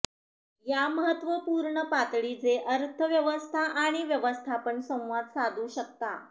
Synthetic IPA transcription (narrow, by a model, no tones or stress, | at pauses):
jaməɦət̪ːʋəpuɾɳəpat̪ɭit͡seʔəɾt̪ʰəʋjəʋəst̪ʰaʔaɽ̃iʋjəʋəst̪ʰapəɳsə̃w̃ʋad̪sad̪ʱuːɕək̚t̪a̰